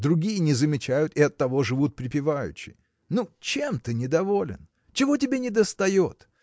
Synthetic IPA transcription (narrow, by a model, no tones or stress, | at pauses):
d̪ɾʊɡʲijənʲɪzəmʲɪt͡ɕæjʊt̪ɪɐt̪ːɐvo̞ʐɨvut̪̚pɾʲɪpʲɪvajʉ̰ɕːɪ̰j | nut͡ɕemt̪ɨnʲɪd̪ɐvo̞lʲɪ̰n | t͡ɕɪvo̞tʲɪbʲenʲɪd̪əst̪ɐjo̞t̪